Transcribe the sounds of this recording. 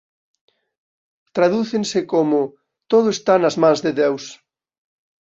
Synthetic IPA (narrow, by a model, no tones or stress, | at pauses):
t̪ɾaðuθẽnsɪkomʊ | t̪oðʊest̪anɐzmãŋzðeðews